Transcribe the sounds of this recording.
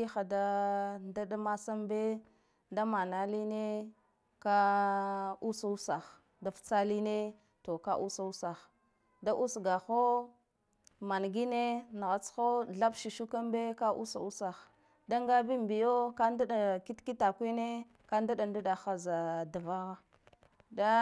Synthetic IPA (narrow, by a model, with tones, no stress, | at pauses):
i˦xa˨da˦nda˦da˦ma˦sa˦mbe˦ | da˦ma˨na˦li˦ne˦ | ka˦ | u˦sa˨u˦sa˨x | da˦ft͡sa˦li˦ne˦ | to˨ka˦ʔu˦sa˨˦u˦sa˨x | da˦ʔu˦sɡa˨xo˦ | ma˨nɡi˦ne˦n˨ɣa˨t͡sxo˦ɮa˦bʃi˨ʃu˦ka˦mbe˦ka˦ʔṵ˦sa̰˨u˦sa˨x | da˦ŋɡa˦bi˦mbi˨jo˦ka˦nda˦ɗa˨ki˦tki˦ta˨kʷi˦ne˦ | ka˦nda˦da˨ndu˦ɗa˨xa˨za˨da˨va˦ɣa˦ | da˦